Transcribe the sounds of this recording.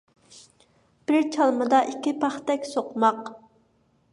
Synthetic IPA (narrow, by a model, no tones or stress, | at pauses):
b̥ɪɾt͡ʃʰɑlˠmɨd̪ɑʔikʲːipʰɑχt̪ɛkʲsoqmɑq